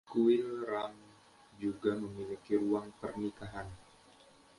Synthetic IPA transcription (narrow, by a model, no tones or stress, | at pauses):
kuɪlram | d͡ʒuɡaməmilikiɾuaŋpərnikaɦan